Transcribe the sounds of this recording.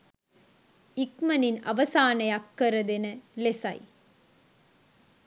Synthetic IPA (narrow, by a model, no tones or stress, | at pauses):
ɪkmɐnɪnɐ̰ʋɐsaːnɐɪɐkːɐɾɐðɛnɐlesɐ̰ɪ